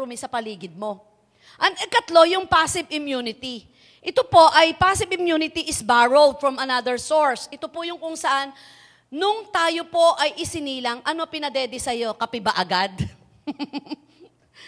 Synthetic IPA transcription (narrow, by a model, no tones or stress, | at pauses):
ʊmisɐpɐliːɡɪd̪̚mo̞ | ʔɐŋɪkɐt̪lo̞jʊŋpasɪbɪmjunɪt̪i | ʔɪt̪opo̞ʔɐjpasɪbɪmjunɪt̪iʔɪsbaɹold̪̚fɹɐmɐnad̪ɛɹsoɹsʔɪt̪opʊjʊŋkʊŋsɐʔanː | ʊŋt̪aːjo̞po̞ʔɐjʔɪsɪniːlɐŋʔɐno̞pɪnɐd̪ɛd̪ɛsɐjo̞kɐpɪbaʔɐɡad̪